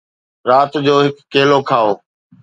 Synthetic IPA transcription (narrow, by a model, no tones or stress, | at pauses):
ɾaːt̪d͡ʑoːɦɪkːeːlokʰaːoː